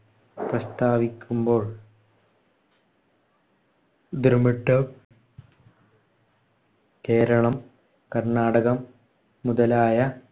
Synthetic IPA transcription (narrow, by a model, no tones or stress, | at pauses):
prɐst̪aːʋikʲːumbo̞ːɭ | d̪ɾɐmiʈːɨ | ke̞ːɾɐɳɐm | kɐrɳaːɽɐɣɐmː | uðɐlaːjɐ